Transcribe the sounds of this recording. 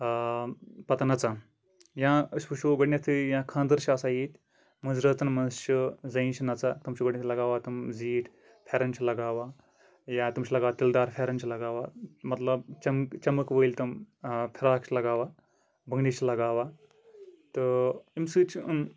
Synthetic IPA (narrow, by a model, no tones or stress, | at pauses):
pɐt̪anɐt͡sa | jãspuɕoːɡɐɽnʲɐt̪ʰijãkʰãːnd̪əɾʃasajit̪ʲ | mɐzɾɐt͡sɐnmɐnɕɐd͡zɐjint͡ʃinɐt͡sat̪umt͡ʃoɡɐɽnɐt̪ʰlɐɡaːʋat̪ɐmziːʈ | fʰɛɾɐnt͡ʃʰilɐɡaːʋa | jãt̪umɕʰilɐɡaːʋɐt̪ild̪aːɾfʰʲeɾɐnt͡ʃʰilɐɡaːʋamɐt̪lɐbt͡ʃɐmkt͡ʃɐməkʋəilt̪ɐmpʰiɾaːkt͡ʃʰilɐɡaːʋa | bəŋɡɽit͡ʃʰilɐɡaːʋa | t̪əimsɨːt͡ɕ